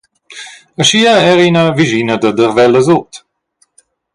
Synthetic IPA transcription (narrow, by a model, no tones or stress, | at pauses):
əʃiəɛɾinəviʒinəd̪əd̪əʁvɛləzot̪